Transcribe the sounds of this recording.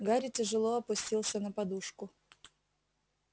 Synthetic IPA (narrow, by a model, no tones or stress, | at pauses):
ɡaɾʲɪtʲɪʐɨlˠoɐpʊsʲtʲilˠsʲənəpɐd̪uʂkʊ